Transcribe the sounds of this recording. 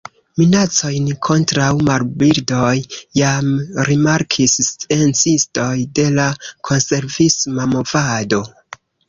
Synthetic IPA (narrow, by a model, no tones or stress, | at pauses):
minat͡so̞jnkʰo̞ntɾawmaɾbiɾdo̞jːamɾimaɾkʰisst͡se̞nt͡sisto̞jde̞lakʰo̞nse̞ɾvismamo̞vado̞